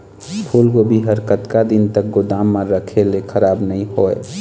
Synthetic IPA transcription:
pʰulɡobʱiɦəɾkət̪kad̪int̪ək̚ɡod̪aːmːãɾəkʰelekʰəɾaːbnəɦĩɦoe

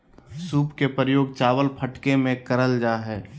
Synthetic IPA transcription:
suːpkepɾəjoːɡt͡ʃaːʋəlpʰəʈkemẽkəɾəld͡ʒaːɦɛː

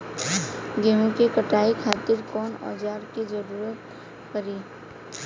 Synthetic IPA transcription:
ɡeɦũkekəʈaikʰaːt̪iɾkɔːnɔ̰d͡ʒaːɾkid͡ʒəɾuːɾət̪̚ | kəɾiː

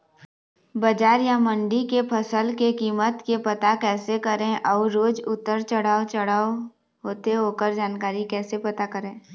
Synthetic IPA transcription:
bɐd͡ʒaːɾjamə̃ɳɖikepʰəsəlkekiːmət̪kepɐt̪akɛːsekəɾẽʔɔːɾːoːd͡ʒʊt̪ːəɾt͡ʃəɽ̤aːt͡ʃəɽ̤aːo | ɦoːt̪eɦoːkəɾd͡ʒaːnkaːɾikɛːsepɐt̪akəɾẽː

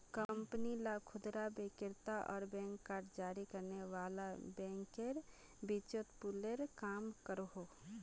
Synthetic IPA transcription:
kəmpənilakʰʊd̪ɾabekɪɾt̪aʔɔ̰ːɾbɛ̃ːŋkːaːɾʈd͡ʒaːɾikəɾneʋaːlabɛ̃ːŋkeɾ | bit͡ʃət̪puleɾkaːmkəɾɦo

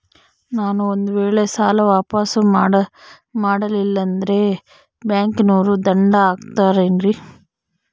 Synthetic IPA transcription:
naːnuond̪uʋeːɭe̞saːlɐʋaːpaːsɐ | maːɽɐlilːɐnd̪ɐɾe̞ | bjaːŋknuːɾud̪ɐɳɖɐaːɡt̪aːɾeːnɾi

